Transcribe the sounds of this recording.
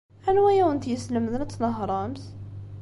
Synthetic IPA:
ʔænwæjæwənt̪jəsləmðənt̪ːnɑɦɾˤɑmz

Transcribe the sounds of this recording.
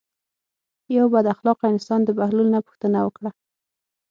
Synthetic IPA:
jawbad̪axlɑqɪnsɑnd̪əbahlulnapʊ̥xt̪ənawəkɽa

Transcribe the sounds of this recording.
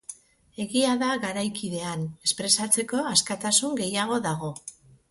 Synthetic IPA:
e̞ɣiaðaɣaɾajkiðe̞ane̞spɾe̞sat͡se̞ko̞askat̪asuŋɡe̞jaɣ̞o̞ðaɣ̞o̞

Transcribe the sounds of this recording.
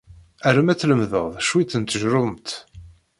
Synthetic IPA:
æɾəmæt͡sːləmðəʁðˤʃwit͡s̪ːənt̪ːəʒɾʊmt̪

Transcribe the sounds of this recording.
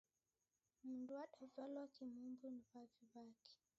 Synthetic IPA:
mundwaɗavalwakimumbuniβaviβaki̥

